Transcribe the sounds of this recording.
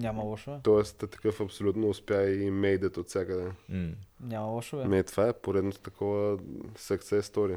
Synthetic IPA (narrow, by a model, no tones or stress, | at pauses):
ɲʲamɐlˠɔʃovɛt̪ɔɛst̪t̪ɐ̥kɤfɐpsolʲut̪noʊspjaimɛjd̪ət̪ot̪sʲjakəd̪ɛ | nʲamɐlˠɔʃovɛmɛt̪ovaɛpoɾɛd̪not̪ot̪ɐkʰɔvəsɐkt̪sɛst̪ɔɾiə